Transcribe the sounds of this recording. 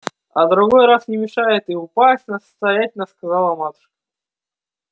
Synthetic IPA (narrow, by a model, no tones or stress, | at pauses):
ɐ̰d̪ɾʊɡojɾasnʲɪmʲɪʂajɪt̪ɨʊpasʲtʲnəsə̥st̪ɐjatʲɪlʲnəskɐzɑlˠɐmat̪ʂ